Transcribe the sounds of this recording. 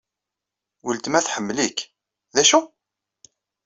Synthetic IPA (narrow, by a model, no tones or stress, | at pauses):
wəlt̪mæθħəmːlik | ðæʃu